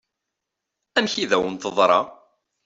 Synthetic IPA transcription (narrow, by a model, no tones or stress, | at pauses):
ænçiðæwənt̪əðˤɾˤɑ̰